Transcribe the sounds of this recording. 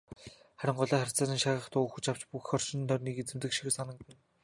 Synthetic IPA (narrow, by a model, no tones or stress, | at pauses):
χæɾʲɪ̆ɴɢɔɮaːχæɾ̥ʲʰt͡saːɾĭːnʃaʁə̆χt̪ʰʊːuxɵ̆t͡ɕaw̥t͡ɕpuxxɔrʃɪ̆nt̪ʰɔrʲniːket͡sɘ̆mt̪ɘ̆kʃi̥xɘ̆sanə̆k̚pĭn